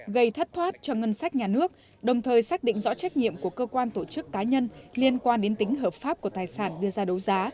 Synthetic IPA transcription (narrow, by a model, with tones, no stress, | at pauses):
ɣə˧jt̪ʰə˦˥t̚t̪ʰwaː˦˥t̚t͡ɕɔ˧ŋə˧nsaː˦˥k̟̚ɲaː˨˩nɨ˦˥ək̚ | ɗə˨˩wŋ͡mt̪ʰəː˨˩jsaː˦˥k̚ɗḭ˧˨ŋzɔ̰˧˥t͡ɕɛ˦˥k̚ɲḭ˧˨əmku˧˩əkəː˧kwaː˧nt̪o˧˩t͡ɕɨ˦˥kːaː˨˦ɲə˧nli˧ənkwaː˧nɗe˨˦nt̪ï˨˦ŋ̟ɦəː˨˩p̚faː˦˥p̚ku˧˩ət̪aː˨˩jsaː˧˩nɗɨ˧əzaː˧ɗə˨˦wzaː˨˦